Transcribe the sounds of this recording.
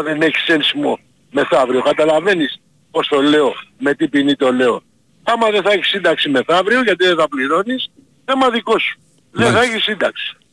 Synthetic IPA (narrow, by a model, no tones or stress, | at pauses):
ðeneçi̥sensimo̰ | me̞θɐvɾiokɐt̪ɐlɐve̞nis | po̞st̪o̞le̞o̞me̞t̪ipinit̪o̞le̞o̞ | ɐmɐðeθɐeçi̥sːind̪ɐksime̞θɐvɾioʝɐt̪iðeθɐpliɾo̞nis | emɐðiko̞su̥ | ðeθɐeçisind̪ɐksi̥